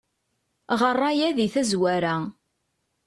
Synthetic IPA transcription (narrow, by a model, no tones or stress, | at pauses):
ʁərˤːɑjæðiθæzwæɾæ